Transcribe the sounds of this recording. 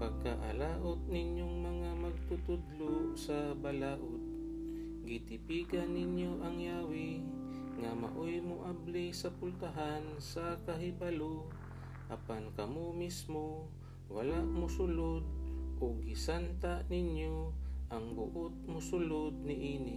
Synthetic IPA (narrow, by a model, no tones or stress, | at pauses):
paɡ̚kaʔa̰laːʔot̪̚nɪɲjoŋmɐŋamɐɡ̚t̪ʊt̪ʊd̪losabalaːʔod̪̚ | ɡɪt̪ɪpiɡanːɪɲjoʔɐŋjaːwɪ | ŋama̰ʔojmʊʔablɪsapʊlt̪aɦansakaɦɪbalo | ʔapankɐmomismo | walaʔmʊsʊlod̪̚ʔoɡɪsant̪aʔnɪɲjoʔaŋbʊ̰ʔʊt̪̚mʊsʊlod̪̚nɪʔiːnɪ